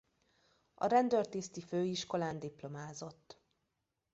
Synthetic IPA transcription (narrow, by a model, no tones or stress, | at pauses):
ɒ̰ɾɛnd̪ørt̪iːst̪iføːiʃko̞laːnd̪iplo̞maːzo̞t̪ː